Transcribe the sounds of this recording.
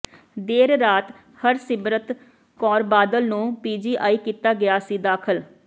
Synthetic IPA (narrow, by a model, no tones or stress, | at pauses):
d̪eːɾːaːt̪ | həɾsɪmɾət̪ | kɔːɾbaːd̪əlnũːpiːd͡ʒiːʔa̰ːiːkiːt̪aːɡɪjaːsiːd̪aːkʰəl